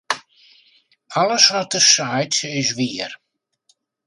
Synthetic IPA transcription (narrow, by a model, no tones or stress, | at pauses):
aləsʋɔt̚əsajtɪsʋiər